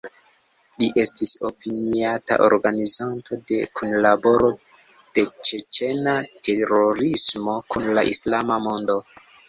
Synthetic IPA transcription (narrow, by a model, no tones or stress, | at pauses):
liʔe̞stiso̞̰piniata̰ʔo̰ɾɡanizantʰo̞de̞kʰunlabo̞ɾo̞ | d̥e̞t͡ʃe̞t͡ʃe̞nate̞ɾoɾismo̞kunlaʔislamamo̞ndo̞